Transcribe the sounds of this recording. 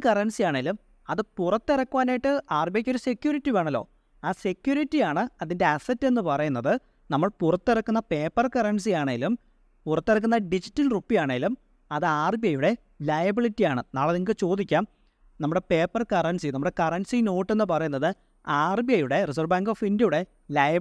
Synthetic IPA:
kɐrɐnsijaːɳeilum | ɐðɨpurɐt̪ːirɐkːuʋaːnaːjiʈːɨaːrbijɐkʲːo̞ɾuse̞kʲːjuːɾitːiʋeːɳɐlːo̞̰ː | aːse̞kʲjuːɾitːijaːɳɨɐðinde̞ɐsɐtːe̞nːɨpɐrɐjunːɐðɨ | nɐmːɐɭpurɐt̪ːerɐkːunːɐpe̞ːpːɐrkɐrɐns̬ijaːɳeŋɡilum | purɐt̪ːiɾɐk̬ːunːɐɖid͡ʑitːɐlrupːijaːɳeŋɡilum | ɐðɨaːrbijɐjuɽe̞ | lɐjɐbiɭitːijaːɳɨnaːɭɐðiŋːɡɨt͡ɕo̞ːd̪ikʲːaːm | nɐmːuɽe̞pe̞ːpːɐrkɐrɐnsinɐmːuɽe̞kɐrɐnsino̞ːʈːe̞nːɨpɐrɐjunːɐðɨ | aːrbijɐjuɽe̞risɐrbaːŋɡoːfindjuɽe̞ | lɐjɐ

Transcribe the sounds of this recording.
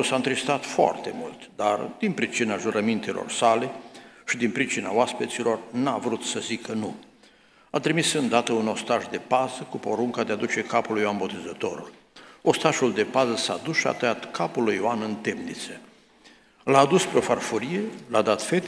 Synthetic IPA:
saɨnt̪ɾist̪at̪foa̰rt̪e̞̰mult̪d̪ard̪inpɾit͡ʃinaʒuɾəmint̪elʔo̰rsale̞ʃid̪inpɾit͡ʃinaoaspet̪silo̞rnavɾut̪səzikʰənu | at̪ɾimisɨnd̪at̪əuno̞st̪aʒd̪e̞pazəkupo̞ɾuŋkad̪e̞ad̪ut͡ʃe̞kapulujoanbo̞t̪e̞zət̪o̞ɾṵl | o̞st̪aʒuld̪e̞pazəsa̰d̪usʃia̰t̪əjat̪kʰapulujoanɨnt̪emnit̪sə | laːd̪uspɾeo̞farfuɾije̞lad̪at̪fe̞t̪

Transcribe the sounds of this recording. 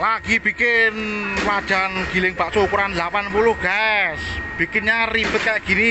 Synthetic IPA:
laɡ̥ib̥i̤kɪnlad̥ʒ̥a̤nɡ̥i̤lɪŋb̥aʔsoukuɾanlapanpulʊhɡ̥asb̥i̤kɪnɲarib̥ət̪̚kaʔɡ̥i̤ni

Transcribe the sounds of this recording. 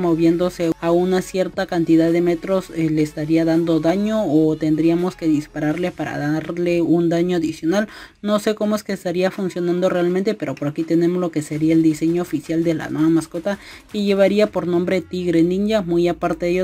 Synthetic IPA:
moβje̞nd̪o̞seaunasje̞ɾt̪akant̪iðaðe̞me̞t̪ɾo̞seleːst̪aɾiaðand̪oðaɲo̞ːt̪e̞nd̪ɾiamo̞ske̞ðispaɾaɾle̞paɾa̰ðaɾle̞und̪aɲo̞aðisjo̞nal | no̞se̞ko̞mo̞eske̞ːst̪aɾiafunsjo̞nãnd̪o̞re̞almẽnt̪e̞pe̞ɾo̞po̞ɾakit̪e̞ne̞mozloke̞seɾiaeld̪ise̞ɲo̞ːfisjald̪e̞la̰naβamasko̞t̪a | ke̞ʝe̞βaɾiapo̞ɾnõ̞mbɾe̞t̪iɣɾeniɲɟamujapaɾt̪eðeo

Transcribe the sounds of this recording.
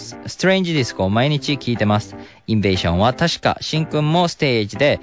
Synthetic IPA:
sɨ̥t̪oɾẽ̞ɲd͡ʑid̪isɨ̥komaiɲ̟it͡ɕikʲiːt̪e̞masɨ̥ | ĩɱbe̞ːɕõ̞̰ɰ̃βat̪aɕi̥ka̰ɕĩŋkɯ̟̃mːo̞sɨ̥t̪e̞ːd͡ʑid̪e̞

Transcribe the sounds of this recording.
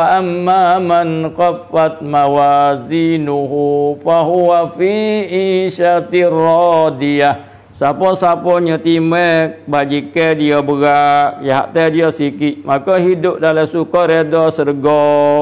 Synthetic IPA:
waʔamːamanqafat̪̚mawazinuɦufaɦuwafiʔiʃat̪irɔdija | sapɔsapɔɲət̪imɛk̚bad͡ʒikɛdiɔbəɡaʔjaɦa̰ʔt̪ɛdiɔsikiʔmakɔɦidʊp̚dalasukɔɾedɔsəɾəɡɔ

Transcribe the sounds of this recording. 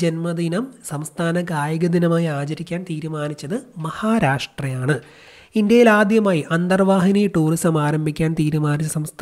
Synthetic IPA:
d͡ʑenmɐd̪inɐmsɐmst̪ʰaːnɐkaːjɐɣɐd̪inɐmaːjiaːt͡ɕɐɾikʲːaːnt̪iːɾumaːnit͡ɕːɐðɨmɐhaːɾaːʂʈrɐjaːɳɨ | indjɐjilaːd̪jɐmaːjiʔɐnd̪ɐrʋaːɦinijʈuːristɐmaːɾɐmbʱikʲːaːnt̪iːɾumaːnit͡ɕːɐsɐmst̪ʰ

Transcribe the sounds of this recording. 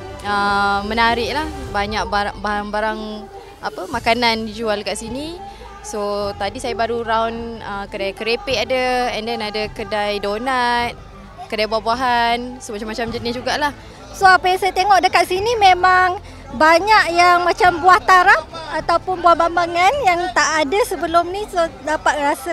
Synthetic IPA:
əmːənaɾɪʔlahbaɲaʔ̚baaʔbaɦaŋbaɾaŋ | apəmakanandid͡ʒualkaʔsini | sot̪adisajabaɾuɾawnəkədajkəɾepeʔadəɛndɛnadəkədajdonat̪̚ | kədajbuahbuaɦansomat͡ʃamat͡ʃamd͡ʒənɪsd͡ʒuɡaʔlah | soapajaŋsajat̪eŋɔʔdəkaʔsinimemaŋ | baɲaʔjaŋmat͡ʃambuaht̪aɾap̚at̪awpʊnbuahbambaŋanjaŋt̪aʔadəsəbəlʊmnisodapat̪̚rasə

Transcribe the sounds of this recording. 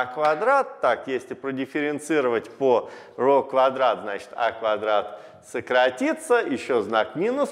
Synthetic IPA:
kvad̪ɾat̪ːakjesʲlʲɪpɾədʲɪfʲɪɾʲɪnt̪sɨɾəvətʲpo | rokvɐd̪ɾat̪znat͡ɕɪ̥t̪a̰kvad̪ɾat̪ | səkɾɐtʲit̪səjɪɕːoznakmʲinʊs

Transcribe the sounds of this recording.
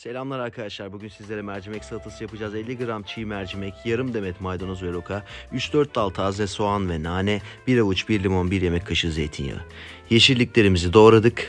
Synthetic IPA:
se̞lʲamlˠaɾaɾkʰad̪aʃlˠaɾbuɟynsizlʲe̞ɾɛmæɾd͡ʒimɛcsat̪ʰasɯjapɯd͡ʒaːzelʲːiɡɯɾamt͡ʃʰimæɾd͡ʒimɛcjaɾɯmd̪e̞mɛt̪majd̪onuzvɛɾokʰayt͡ʃd̪øɾt̪̚d̪alˠt̪ʰazvɛsoanvɛnaːnɛbiɾalˠut͡ʃbiɾlʲimonbiɾje̞mɛcʰːaʃɯzejt̪ʰinjo̰ | jeʃiɾlʲiclʲe̞ɾimizid̪o̞ɾad̪ɯk

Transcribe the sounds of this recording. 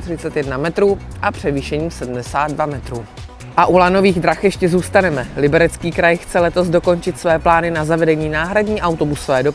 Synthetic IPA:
t̪r̝̥ɪt͡sɛt̪jɛdnamɛt̪ɾuːʔapr̥ɛviːʃɛɲiːsɛdm̩dɛsaːd̪̚dvamɛt̪ɾuː | ʔaʔulano̞viːɣd̪ɾaxjɛʃcɛzuːst̪anɛmɛlɪbɛɾɛt͡skiːkɾajxt͡sɛlɛt̪ozdo̞ko̞nt͡ʃɪt̪svɛːplaːnɪnazavɛdɛɲiːnaːɦɾadɲiːʔawt̪o̞busovɛːdo̞

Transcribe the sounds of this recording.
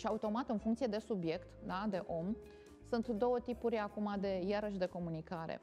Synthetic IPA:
ʃiaut̪o̞mat̪ɨnfuŋkt̪sie̞d̪e̞subje̞kt̪d̪ad̪e̞ʔo̞m | sunt̪d̪o̞wət̪ipuɾʲakumad̪e̞jaɾəʃd̪e̞ko̞munikaɾḛ

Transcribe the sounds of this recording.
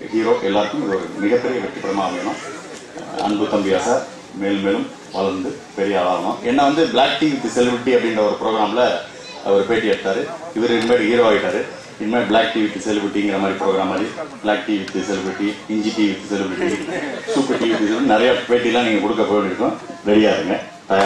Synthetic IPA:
hiːɾoːʔɛlːaːɾɯkːɯmɪðɯɔɾɯ̰mɪɣɐpːɛɾɪjɐʋɛʈːɐpːɐɽɐmaːɐpːɐɪnãː | ɐ̰nbɯt̪ɐmbɪjaːsa | meːlmeːlɯm | ʋɐlɐɾnd̪ɯ | pɛɾɪjɐɐʋaːɣɐɳʊ̰̃ʔɛnːɐʋɐnd̪ɯbɪlaːk̚ʈiːʋɪt̪ːɯsɛlɪbɪɾɪʈːiɐpːɐɽɪndrɐɔɾɯpɪɾoːɣɐɾaːmlɐ | ɔɾɯpeːʈːiɛɽɯt̪ːaːɾɯɪʋɪɾɪnmeːɾɯɦiːɾoːaːɣɪʈːaːɾɯ | ɪnːmaːɾbɭaːk̚ʈiːʋɪt̪ːisɛlɪbɾɪʈːiɪŋɡɪɾɐmaːd̪ɾipɪɾoːɣɾaːmaːd̪ɾib̥ɪɭaːk̚ʈiːʋɪt̪ːɯsɛlɪbɪɾɪʈːiɪɲd͡ʒiʈiːʋɪt̪ːɯsɛlɪbɪɾɪʈːisuːpːɯʈiːʋɪt̪ːisɛlɯnɪɾɐjɐpeːʈːilːãːniːŋɡɐkɔɽɯkːɐpːoːʋɳɖɪɾɯkːʊ̃ʋɛɽɪjaːðɯŋɡɐ | t̪ɐj

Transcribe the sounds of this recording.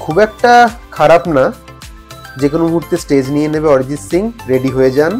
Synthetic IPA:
kʰubɛk̚ʈakʰaɾapna | d͡ʑekonomũɦuɾt̪esʈed͡ʑnijenebeɔɾid͡ʑit̪siŋɾeɖiɦoed͡ʑan

